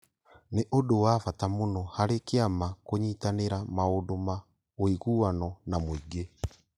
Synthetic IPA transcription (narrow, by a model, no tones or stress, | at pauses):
neʔodowafatamonɔhaɾekeamakoɲitaneɾamaodoma | oiɣuːanɔnamoiɡe